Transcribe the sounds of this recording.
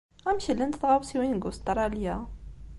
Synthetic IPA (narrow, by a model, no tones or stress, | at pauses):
ʁæmçəlːənt̪θʁawsiwinɡust̪ɾˤɑljæ